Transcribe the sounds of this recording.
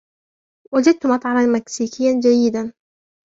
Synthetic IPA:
wad͡ʒad̪̚t̪ʊmɑt̪ˤʕɑɾanmaksiːkɪjːand͡ʒajːɪd̪an

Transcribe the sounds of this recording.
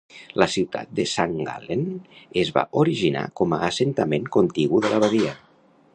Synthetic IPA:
ləsiwt̪ʰa̰t̪̚d̪əsaŋɡa̰lenezβa̰ʔoɾiʒina̰kɔməʔːsent̪əmeŋkont̪iɣuðəlʔaβaðiə

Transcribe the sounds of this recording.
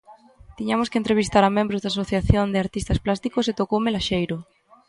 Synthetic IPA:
t̪iɲamʊskent̪ɾeβ̞ist̪aɾamẽmbɾozðasoθjaθjond̪ɪaɾt̪ist̪ɐsplast̪ikoset̪okowmelaʃejɾʊ

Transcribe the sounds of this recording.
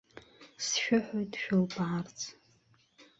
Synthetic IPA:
sʃᶣʊħojtʰʼʃᶣʊlbart͡sʰʼ

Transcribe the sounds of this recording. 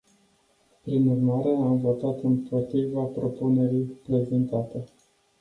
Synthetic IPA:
pɾinurmaɾe̞amvo̞t̪at̪ɨnpʰo̞t̪ɾivapɾo̞pune̞ɾijpɾe̞ze̞nt̪at̪e

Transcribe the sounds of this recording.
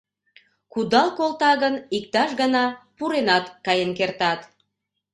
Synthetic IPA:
kud̪ɑlkolt̪ɑɣənik̚t̪ɑʃɣənɑpuɾenɑt̪kɑjənkert̪ɑt̪

